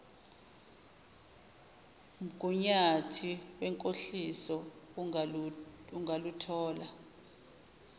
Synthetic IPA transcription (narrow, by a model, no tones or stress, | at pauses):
m̩ɡ̥ʱuɲatʰiwɛŋkʼoɬisɔ | uŋʱalutʰɔːla